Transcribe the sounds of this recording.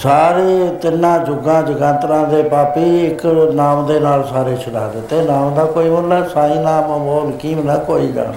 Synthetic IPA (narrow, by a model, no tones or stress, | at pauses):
saːɾiːt̪ɪnːãːd͡ʒʊɡãːd͡ʒɪɡãːnt̪ɾãːd̪eːpaːpiːɪknaːmd̪eːnaːlsaːɾeːt͡ʃʰəla̰ːd̪eːt̪eːnaːmd̪aːkoːiːmʊlɛːsaːĩːnaːmə̃boːlkiːmnakoːiːkə̰